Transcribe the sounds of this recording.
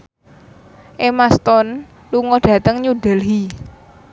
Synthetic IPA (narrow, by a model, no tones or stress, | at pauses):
ʔemast̪ɔn | luŋɔɖ̥ä̤t̪əŋɲuɖ̥ɛ̤lɦi